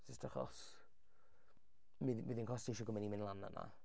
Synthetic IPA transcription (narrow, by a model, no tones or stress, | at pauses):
sɪstʰaχɔ̰s | miðmiðnkʰɔsteʃɔɡɔmɛnimɪnlˠana̰na̰